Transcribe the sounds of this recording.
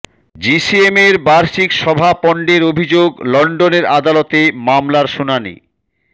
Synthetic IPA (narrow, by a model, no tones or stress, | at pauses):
d͡ʑisiemeɾbaɾʃikʃɔbʱapɔɳɖeɾobʱid͡ʑoɡlɔɳɖoneɾad̪alot̪emamlaɾʃunanḭ